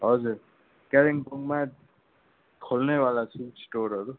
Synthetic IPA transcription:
ɦʌd͡zuɾ | keɾiŋpuŋma | kʰolnebalasʰusʈoɾɦʌɾu

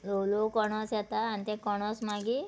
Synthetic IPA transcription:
lowlokɔɽ̃ɔsjɛt̪aːnit̪ẽkɔɽ̃ɔsmaɡi

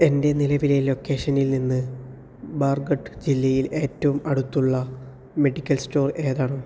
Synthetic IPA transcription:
e̞nde̞nilɐʋilelo̞ːkːe̞ːʂɐnilninːɨ | baːrɡɐʈːɨd͡ʑilːɐjile̞ːtːɐʋumɐɽut̪ːuɭːɐ | me̞ɖikʲːɐlsto̞ːre̞ːðaːɽɐm

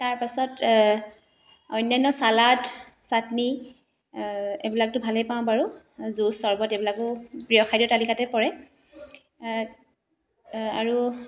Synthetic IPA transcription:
taɹpasɔt | ɔjnajnɔsalatsatni | ḛbilak̚tʊbʱalɛpãʊ̃baɹu | zusɔɹbɔtebilakʊpɹijɔxʰajdɔtalikatɛpɔɹɛ | aɹu

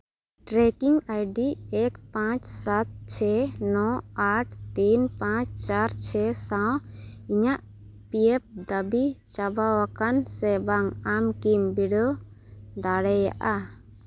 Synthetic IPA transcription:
ʈɾɛkiŋajɖiɛkpãt͡ʃsat̪̚t͡ʃʰɛnɔaʈʰt̪inpãt͡ʃt͡ʃaɾt͡ʃʰɛsawiɲaʔ | piɛp̚d̪əbit͡ʃabawakansɛbaŋamkimbiɽɔ | d̪aɽɛja̰ʔa

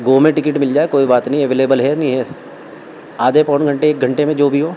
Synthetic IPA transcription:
ɡoːmẽʈɪkɪʈmɪld͡ʒaːekoːibaːt̪nɦĩɛʋeːleːbəlɦɛnĩɦɛ | aːd̪epɔːnɡʱɐ̃ɳʈeeːk̚ɡʱɐ̃ɳʈemẽd͡ʒoːbʱiɦoː

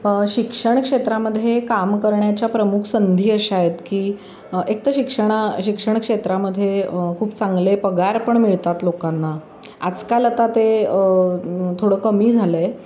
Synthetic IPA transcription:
ɕikʂəɳ̃kʂet̪ɾaməd̪ʱːjekamkəɾɳjat͡ɕjapɾəmukʰsənd̪ʱiːəɕaɦet̪kiː | ek̚t̪əɕikʂəɳ̃aɕikʂəɳ̃kʂet̪ɾaməd̪ʱːjekʰuːpt͡saŋɡlepəɡaɾpəɳmiɭt̪at̪lokanːa | ad͡zkalat̪at̪e | t̪ʰoɽəkəmiːd͡zʱaləj

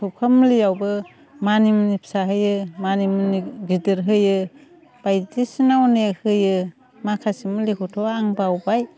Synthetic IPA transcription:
tʰɔp̚kʰamlijawbɯ | manimɯnipʰsaɦɯjɯmanimɯniɡidɯɾɦɯjɯ | b̥ajdisinawnehɯjɯ | makʰasimlikʰɔtʰɔaŋbawbaj

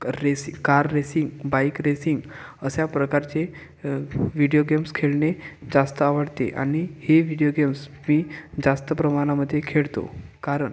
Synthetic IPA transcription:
ɾesikaɾːesiŋɡbaikɾesiŋɡəsjapɾəkaɾt͡ɕe | ʋiɽijoɡemskʰeɭned͡zast̪əaʋəɽt̪ḛʔa̰ɽ̃iheʋiɽijoɡems | miːd͡zast̪əpɾəmaɽ̃aməd̪ʱːjekʰeɭt̪o̰kaɾəɳ

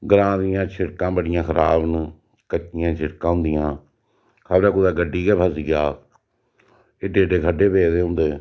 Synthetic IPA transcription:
ɡəɾãːd̪ɪjãːt͡ʃʰɪɾkãːbəɽɪjãːkəɾaːbn | kət͡ʃɪjãːt͡ʃʰɪɾkãːɦʊ̃nd̪ɪjãː | kʰəbɾɛːkʊd̪aːɡəɖːiːɡɛːpʰəsijaː | eːɖeːɖeːkʰəɖeːpeːd̪eːɦʊ̃nd̪eː

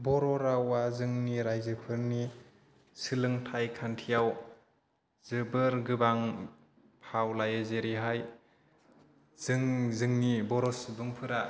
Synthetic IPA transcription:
bɔɾɔɾawazɯŋniɾajzɯpʰɯɾni | sɯlɯŋtʰajkʰantʰijaw | z̥ɯbɯɾɡɯbaŋ | pʰawlajezeɾiɦaj | z̥ɯŋzɯŋnibɔɾɔsbɯŋpʰɯɾa

